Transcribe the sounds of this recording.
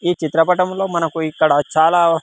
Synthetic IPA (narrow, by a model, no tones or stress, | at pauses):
iːt͡ʃit̪ɾɐpɐʈɐmlo̞ːmɐnɐkuikːɐɽɐt͡ʃaːlaː